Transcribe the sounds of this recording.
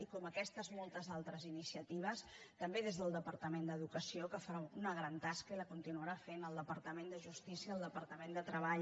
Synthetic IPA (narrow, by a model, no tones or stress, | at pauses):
ikɔməkɛst̪əzmɔlˠt̪əzalˠt̪ɾəzinisiət̪iβ̞əst̪əmbeðezðəlˠd̪əpəɾt̪əmend̪əðukəsiokəfəɾaunəɣ̞ɾant̪askəiləkunt̪inuəɾafenəlˠd̪əpəɾt̪əmend̪əʒust̪isiəəlˠd̪əpəɾt̪əmend̪ət̪ɾəβaʎ